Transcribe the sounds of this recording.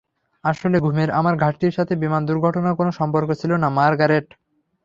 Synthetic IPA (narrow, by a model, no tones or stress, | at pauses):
aʃoleɡʱumeɾamaɾɡʱaʈːiɾʃat̪ʰebimand̪uɾɡʱɔʈonakonoʃɔmpoɾkot͡ɕʰilonamaɾɡaɾeʈ